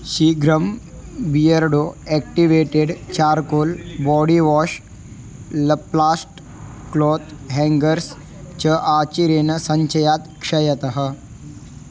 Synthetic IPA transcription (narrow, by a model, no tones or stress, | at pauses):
ʃiɡɾɐm | bijɐɾɖoːɛːk̚ʈiʋeːʈeɖt͡ʃaːɾkoːlbɔːɽiʋɔːʃ | lɐplaːsʈ | kloːt̪ɦɛːŋɡɐɾs | t͡ʃɐʔaːt͡ʃiɾeːnɐsɐɲt͡ʃɐjaːt̪kʂɐjɐt̪ɐɦɐ